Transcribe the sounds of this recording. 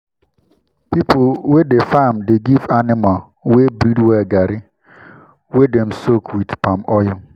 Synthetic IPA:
pipʰowedefamdeɡivanɪmal | webɾidwɛɡaɾɪ | wedɛ̃msokʰwidpʰãmɔjʊ̃

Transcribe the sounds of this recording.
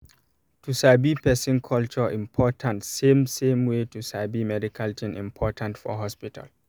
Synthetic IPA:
tʰusabipɛsĩnkʰɔlt͡ʃɔĩmpʰɔtʰãntsẽmsẽmwetusabimɛdikʰaltʰĩnʔḭ̃mpʰɔtʰãntfɔ̰ɦɔspitʰa̰l

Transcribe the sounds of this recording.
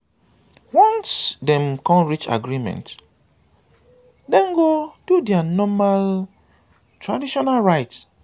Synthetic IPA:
wɔ̃nsdɛ̃mkɔ̃nɹit͡ʃa̰ɡɾimɛ̰̃nt | dɛ̃ŋɡod̥udɛanɔmal | tɹadiʃɔnalɹaɪts

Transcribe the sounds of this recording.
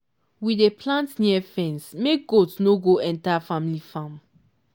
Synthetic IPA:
widepʰlãntniɛfɛ̃nsmek̚ɡotsnoɡoɛ̃ntafamilifãm

